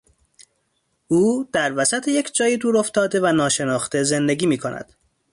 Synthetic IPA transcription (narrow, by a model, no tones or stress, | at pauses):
uːd̪̥æɾvæsæt̪ʰejecʰd͡ʒɒːjid̪uːɾo̞ft̪ɒːd̪e̞vænɒːʃe̞nɒːxt̪e̞ze̞nd̪e̞ɡʲiːmiːkʰonʔæ̰d̪̥